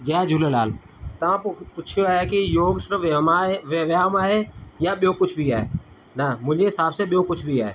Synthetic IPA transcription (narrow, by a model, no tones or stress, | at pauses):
d͡ʒɛːd͡ʒʱʊlela̰ːl | t̪ãpʊt͡ʃʰjoaekijoːɡsɪɾmaʋeʋjaːmaːɦejaɓjoːkʊt͡ʃʰbʱiaːḛ | namʊd͡ʒʱeɪsaːbseɓjoːkʊt͡ʃʰbʱiaːe